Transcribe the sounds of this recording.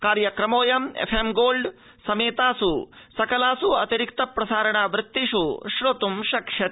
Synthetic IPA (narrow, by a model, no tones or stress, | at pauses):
kaːɾjɐkɾɐmoːjɐmḛpʰemɡoːlɖ | sɐmeːt̪aːsusɐkɐlaːsuɐ̰t̪iɾikt̪ɐpɾɐsaːɾɐɳaːʋɾɪt̪ːiʃuʃɾot̪umʃɐkʃjɐt̪